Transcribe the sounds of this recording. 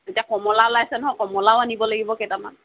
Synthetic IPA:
etijakɔmɔlalajasɛnɔɦɔjkɔmɔlaoanibɔlaɡibɔkejtama̰n

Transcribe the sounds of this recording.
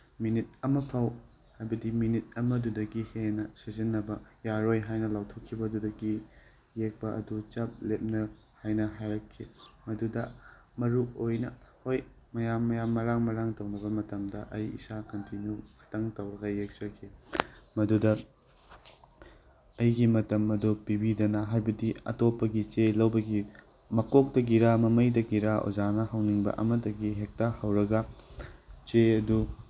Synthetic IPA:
minit̚ɐmɐpʰɐw | hajbɐdiminit̚ɐmɐdudɐɡihenɐsɐzinːɐbɐjaɾojɦajnɐlawtʰokʰːibɐdudɐɡi | jek̚pɐʔɐ̰dut͡ʃap̚lep̚nɐ | hajnɐɦajɾɐkʰːimɐdudɐ | mɐɾuojnɐhoj | mɐjamːɐjamːɐɾaŋmɐɾaŋtɐwnɐbɐmɐtɐmdɐʔɐjḭsakɐntinukʰɐ̥tʰɐŋtɐwɾɐɡɐjek̚t͡ʃɐkʰimɐdudɐ | ɐjɡimɐtɐmɐdupibidɐnɐɦajbɐdiɐ̰topːɐɡit͡ʃelɐwbɐɡi | mɐkok̚tɐɡiɾamɐmɐjdɐɡiɾaʔo̰zanɐhɐwniŋbɐ̰ʔɐmɐtːɐɡiɦek̚tahɐwɾɐɡɐ | t͡ʃeɐdu

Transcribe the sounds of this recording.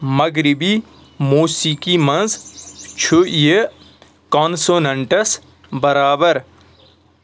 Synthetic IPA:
mɐɡɾibi | moːsikimɐ̃nzt͡ʃʰuje | kaːnsoːnɐɳʈəs | bɐɾaːbəɾ

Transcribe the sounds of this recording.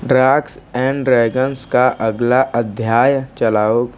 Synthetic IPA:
ɖɾaːksɛ̃ːɳɖɾɛːɡənskaʔəɡlaʔəd̪ʱjaːjt͡ʃəlaːoːɡ

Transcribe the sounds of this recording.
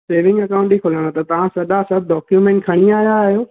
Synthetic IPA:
seːʋɪ̃ŋɡɐkãʊ̃ɳʈikʰʊlaɽ̃ot̪ɐt̪ɐʋ̤ãsɐɗasɐb̚ɖɔːkjumẽːɳʈ̚kʰɐɽ̃iaːjaɦijoː

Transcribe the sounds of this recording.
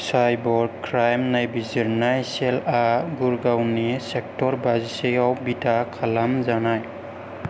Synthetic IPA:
sajbɔɾkʰɾajmnajbiziɾnajsɛlaɡuɾɡawnisɛk̚tɔɾbazisejawbitʰakʰalamzanaj

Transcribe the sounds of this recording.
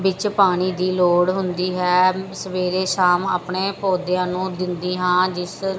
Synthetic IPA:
bɪt͡ʃpaːɽ̃iːd̪iːloːɽɦʊnd̪iːɦɛːsəʋeːɾeːʃaːmaːpɳeːpoːd̪jãːnũːd̪ɪnd̪iːɦãːd͡ʒɪs

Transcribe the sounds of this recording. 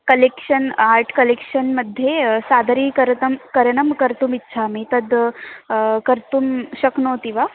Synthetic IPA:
kəlekʂənaɾʈʰkəlekɕənməd̪ʱːjesad̪ɾiːkəɾt̪əmkəɾənəmkəɾt̪umitːɕʰamit̪əd̪ | kəɾt̪umɕəknot̪iʋa

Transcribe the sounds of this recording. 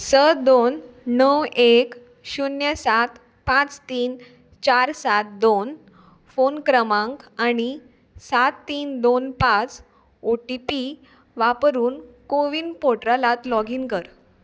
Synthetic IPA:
səd̪onːəwek | ɕunjəsat̪ | pãt͡st̪iːn | t͡ɕaɾsat̪̚d̪on | fonkɾəmãŋkaɽ̃i | sat̪ːiːnd̪onpãt͡s | oʈipi | ʋapɾuːnkoʋiːnpoʈɾalat̪lɔɡiːnkəɾ

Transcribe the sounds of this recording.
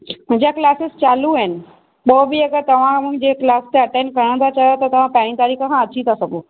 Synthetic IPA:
məd͡ʑjaklasest͡ɕaluɛn | bobiekət̪əʋ̤ãm̤əɡd͡ʑeklast̪eəʈẽnkəɽ̃ə̃t̪at͡ɕalat̪ət̪eʋ̤ãpɛɽ̃ĩt̪aɾiːkʰaɦãət͡ɕiːt̪əsəku

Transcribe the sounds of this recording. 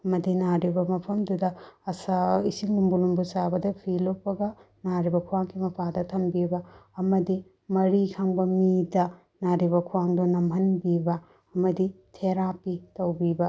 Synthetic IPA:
ɐmɐdinaɾibɐmɐpʰɐmdudɐɐsɐisiŋlumbulumbusabɐdɐpʰilopːɐɡɐ | naɾibɐkʰuwaŋkʰimɐpʰadɐtʰɐmbibɐːmɐdi | mɐɾikʰaŋbɐmidɐ | naɾibɐkʰuwaŋdunɐmɦɐnbibɐ | ɐmɐditʰeɾapitɐwbibɐ

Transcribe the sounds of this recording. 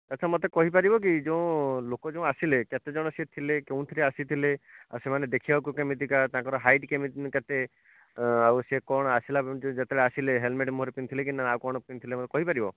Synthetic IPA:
t̪at͡ʃʰamɔt̪ekɔɦipaɾibɔk̬id͡ʒew̃lokɔd͡ʒẽũasileket̪ed͡ʒɔɽ̃ɔseet̪ʰilekeũt̪ʰileasit̪ʰilea̰wsemaned̪ekʰibakukemit̪ikat̪ãkɔɾɔɦajɖkemiket̪e | awsekɔɽ̃ɔasilad͡ʒet̪eɽeasileɦelmeʈmoɦɾepint̪ʰilek̬inːaawkɔɽ̃ɔpint̪ʰilemɔt̪ekɔɦipaɾibɔ

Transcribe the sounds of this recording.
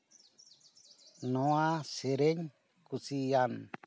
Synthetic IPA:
nõaseɾeɲ | kusian

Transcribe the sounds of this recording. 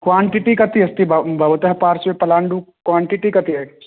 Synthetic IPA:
kwaːɳʈiʈikɐt̪iɐst̪ibbʱɐʋɐt̪ɦɐpaːɾsʋepɐlaːɳɖukwaːɳʈiʈikɐt̪iɦɛ

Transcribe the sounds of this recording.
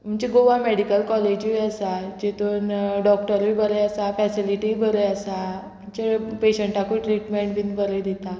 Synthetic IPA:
m̤əɳt͡ɕeɡoʋameɽikəlkɔled͡ʑʋiəsad͡ʑet̪onɖɔk̚ʈəɾʋibəɾəəsafɛsiliʈiibəɾəəsa | m̤əɳt͡ɕepeɕəɳʈakuiʈɾiʈmeɳʈbiːnbəɾəd̪it̪a

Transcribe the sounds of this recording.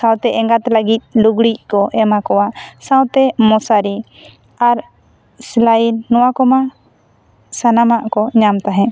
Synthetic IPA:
sãwt̪ɛʔɛŋɡat̪ləɡit̪̚ˀluɡɽic̚kɔʔɛmakɔwaʔsãwt̪ɛmɔsaɾi | aɾ | slainːɔwakɔma | sanamaʔkɔɲamt̪aɦɛ̃

